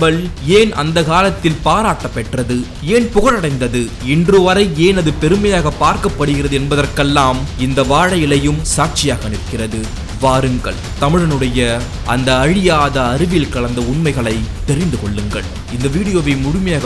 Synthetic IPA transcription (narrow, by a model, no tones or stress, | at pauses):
bɐɭeːnɐ̰nd̪ɐkaːlɐt̪ːɪlpaːɾaːʈːɐpːɛʈrɐðɯ | eːnpʊɣɐɭɐɽɐɪnd̪ɐðɯ | ɪndrɯʋɐɾɐɪeːnɐðɯpɛɾɯmɐjaːɣɐpːaːɾkɐpːɐɽɯɣɪrɐðɯɛnbɐðɐrkɛlːaːmɪnd̪ɐʋaːɻɐjɪlɐjɯmsaːʈ̚t͡ʃɪjaːɣɐɐnɪpkːɪrɐðɯ | ʋaːɾɯŋɡɐ̰ɭ | t̪ɐmɪɻɐnɯɽɐjɐ | ɐnd̪ɐːɻɪjaːðɐːɾɯʋɪlkɐɭɐnd̪ɐʊɳmɐɪɣɐɭɐɪt̪ːɛɾɪnd̪ɯkɔɭːɯŋɡɐ̰ɭ | ɪnd̪ɐʋiːɽɪjoːʋɐɪmʊɻʊmɐjaːɣɐ